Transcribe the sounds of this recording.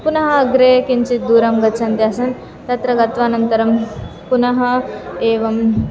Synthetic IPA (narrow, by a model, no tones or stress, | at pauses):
punɐɦɐːɡɾekint͡ɕid̪uːɾɐmɡɐt͡sʰɐnt̪jasɐn | t̪ɐt̪ɾɐɡɐt̪ʋaːnɐnt̪ɐɾɐm | punɐɦɐeːʋɐm